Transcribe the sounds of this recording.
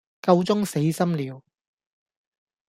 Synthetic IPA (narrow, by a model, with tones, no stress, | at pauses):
kɐ˧wt͡sʊ˥ŋse˨˥jsɐ˥mliː˨˧w